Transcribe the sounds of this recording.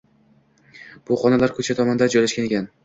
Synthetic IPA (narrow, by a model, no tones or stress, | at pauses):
b̥ʊχɒnalaɾkʰɵt͡ʃʰat̪ʰɒmɒnd̪ad͡ʒɒjlaʃkʲane̞kʲan